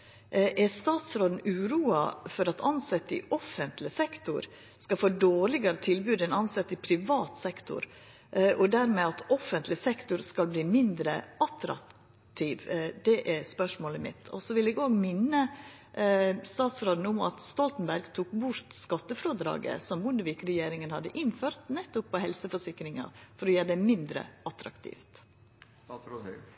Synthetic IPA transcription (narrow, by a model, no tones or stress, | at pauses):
ʔɛɾst̪ɑːt̪sɾoːd̪n̩ʉːɾuːɑfɔɾɑt̪ʰɑnsɛt̪ːɪ̰ʔɔfːənt̪lɪsɛkt̪ʊ̰ɾ | skɑfoːd̪oːɭɪɡɑɾət̪ʰɪlbʉːd̪ɛnɑnsɛt̪ːɪpʰɾɪʋɑːt̪sɛkt̪ʊ̰ɾ | ʔɔd̪æɾmɛɑt̪ɔfənt̪lɪsɛkt̪ʊɾskɑlbliːmɪnd̪ɾə̰ʔɑt̪ɾɑ̰ | t̪ʰiːʋd̪ɛʔɛɾspœʂmoːləmɪ̰t̪ʰɔ̰sɔʋɪlɛɡoːɡmɪnːə | st̪ɑːt̪sɾoːd̪n̩ʊmɑ̰t̪st̪ɔlt̪n̩bæɾɡt̪ʰuːkbʊɾt̪skɑt̪ːəfɾuːd̪ɾɑ̰ːɡə̰sɔmbʊnd̪əʋiːkɾɛjeːɾɪŋənhɑd̪ːəʔɪnføːɾt̪nɛt̪ːʊpʰːɔhɛlsəfɔʂɪkɾɪŋɑ̰fɔɾɔjøːɖɛmɪnd̪ɾə̰ʔɑt̪ɾɑ̰kt̪ʰḭːft̪